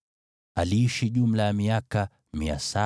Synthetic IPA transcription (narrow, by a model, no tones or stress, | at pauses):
aliːʃiʄum̩lajamiaka | mia̰sa